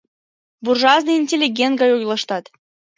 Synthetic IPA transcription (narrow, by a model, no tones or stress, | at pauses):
burʒɑznɨinʲtʲelʲːiɡʲent̪ɡɑjojlˠɑʃt̪ɑt̪